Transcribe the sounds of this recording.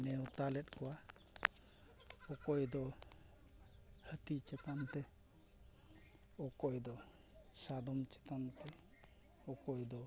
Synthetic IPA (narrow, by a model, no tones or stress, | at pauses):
nɛwt̪alɛtkʰɔwa | ɔkɔjd̪ɔ | hət̪it͡ʃɛt̪ant̪ɛ | ɔkɔjd̪ɔ | sad̪ɔmt͡ʃɛ̥t̪ant̪ɛ | ɔkɔjd̪ɔ